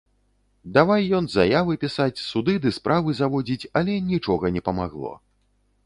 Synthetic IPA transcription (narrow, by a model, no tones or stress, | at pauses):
d̪avajːɔnzajavɨpʲisat͡sʲsud̪ɨd̪ɨspɾʔavɨzavɔd͡zʲit͡sʲɐlʲɛnʲit͡ʂɔɣɐnʲɛpɐmaɣlˠɔ̰